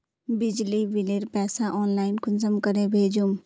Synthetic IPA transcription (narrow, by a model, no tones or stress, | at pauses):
bɪd͡ʒliʋɪleːɾpɛːsaʔɔːnlaːɪnkʊnsəmkəɾẽbʱeːd͡ʒum